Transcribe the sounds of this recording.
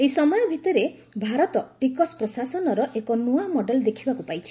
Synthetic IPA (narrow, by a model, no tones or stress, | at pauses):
ejsɔmɔjɔbʱit̪ɔɾe | bʱaɾɔt̪ɔʈikɔspɾɔsasɔnɔɾɔʔekɔnuamɔɖelɔd̪ekʰibakupajt͡ʃʰi̥